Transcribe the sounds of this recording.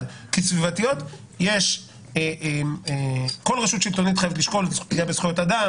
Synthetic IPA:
kesvivatijo̞t̪ | jeʃ | eʔemeko̞lʁeʃut̪ʃilt̪o̞nit̪χajevetliʃko̞lt̪iɡijabesχujo̞tada

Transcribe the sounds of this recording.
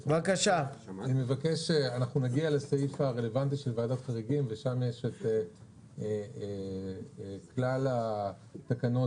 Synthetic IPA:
vakaʃaanimevakeʃeanaχnunaɡialesaifaʁe̞le̞vant̪̬iʃe̞lvaːd̪ot̪χaʁiɡimveʃamjeʃet̪e | e | klala | t̪akano̞

